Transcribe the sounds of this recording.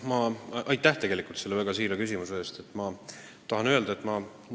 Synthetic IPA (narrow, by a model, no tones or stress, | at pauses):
mɑʔɑjt̪ːˑæht̪e̞ɡe̞likˑult̪se̞lːe̞væɡ̥ɑsiːɾekysʲimusee̞ːst̪e̞t̪ːˑmɑ | t̪ɑɦɑnøld̪ɑe̞t̪ːˑmɑ